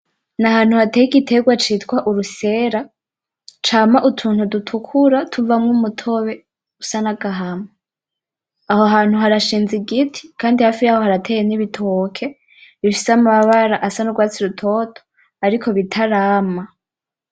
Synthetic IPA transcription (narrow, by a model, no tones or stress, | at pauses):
nahaːn̥huhatejiɡitʰe̞ɡwat͡ʃiːtkwaʔuɾuse̞ːɾa | t͡ʃaːmaʔutʰuːn̥hudutʰukʰuɾatʰuvamŋumutʰo̞βe̞ | usanaɡaɦame | ahoɦaːn̥huɦaɾaʃiːnziɡitʰi̥kaːndihafiɾaho̞haɾatʰeːjeniβitʰokʰe̞ | βifi̥samaβaɾaʔasanuɡwaːt͡siɾutʰo̞tʰo̥ | aɾikʰo̞βitʰaɾaːma